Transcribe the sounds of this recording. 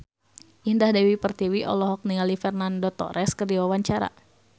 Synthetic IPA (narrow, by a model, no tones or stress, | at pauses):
ʔindahdɛwipərt̪iwiʔɔ̰lɔɦɔk̚niŋalifɛrnandɔt̪ɔ̰ɾɛskərdiwawaɲt͡ʃaɾa̰